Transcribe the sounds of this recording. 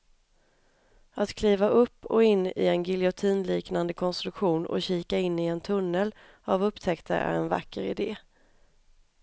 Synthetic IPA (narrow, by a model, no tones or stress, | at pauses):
ʔat̪kʰliːvaʔɵpːɔɪnːɪ̰ɛnɡɪlɪʊt̪ʰiːnliːknand̪əkʰɔnst̪ɾɵkɧuːnɔ̰ɕiːkaɪnːɪɛnt̪ʰɵnːəl | avɵpːt̪ʰɛkt̪ʰa̰ʔæ̰ɾɛnva̰kːəɾɪ̰d̪eː